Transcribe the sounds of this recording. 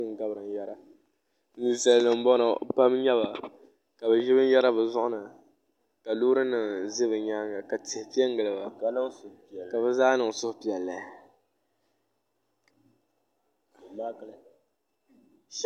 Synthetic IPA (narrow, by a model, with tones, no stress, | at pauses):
ɨ˦ŋ˨ɡa˦bɾɨ˨ŋ˨jɛ˦ɾa˦ | ni˨sa˨lnɨ˨m˦bɔ˦nɨ˨pa˦mɲɛ˦βa˨ | ka˨bɨ˨ʒɪ˦bɨ˦n˦jɛ˦ɾa˦bɨ˨zʊ˦ʔʊ˦nɨ˨ | ka˨luː˦ɾɨ˦nɨ˨ŋzi˦bɨ˨ɲa˦ŋa˨ka˨tɛ˨hpi˦ɛ˦ŋ˦ɡɨ˨lɨ˨ba˨˦˨ | ka˨βɨ˦zaː˦nɨ˨ŋ˨sʊ˦hpi˨ɛ˨lːa˨˦˨